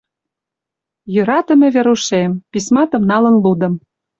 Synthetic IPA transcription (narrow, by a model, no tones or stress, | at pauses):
jyɾɑt̪ə̆mʲĕβeɾuʃempismɑt̪ɤ̆mnɑlə̆nlud̪ɤ̆m